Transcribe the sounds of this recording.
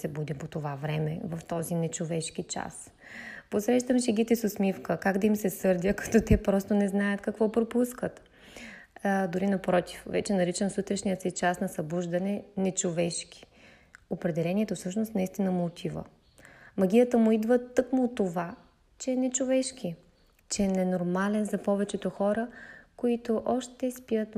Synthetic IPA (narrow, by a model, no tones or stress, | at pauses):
sɛbud̪ipot̪ovavɾɛmɛvɐft̪ɔzinɛt͡ʃovɛʃk̟it͡ʃa̰s | posɾɛʃt̪əmʃɛɡʲit̪ɛsʊsmifkəkaɡd̪ɐimsɛsɤɾd̪ʲəkɐ̥t̪ɔt̪ɛpɾɔst̪onɛznajət̪kɐkvɔpɾopuskət̪ | d̪ʊɾinɐpɾɔt̪i̥fvɛ̰t͡ʃɛnɐɾit͡ʃəmsut̪ɾɛʃnijəsɛt͡ʃasnɐsɐbuʒd̪ɐnɛnɛt͡ʃovɛʃkʲi̥ | opɾɛd̪ɛlɛniɛt̪ofsɤʃnost̪nɐist̪inəmʊːt̪ʰivə̰ | mɐɡʲijət̪əmʊid̪vət̪ːɤkmʊːt̪ːova | t͡ʃɛɛnɛt͡ʃovɛʃk̟i | t͡ʃɛɛnɛnoɾmalɛnzɐpɔvɛt͡ʃɛt̪oxɔɾəkoit̪oʔɔʃt̪ɛspijət̪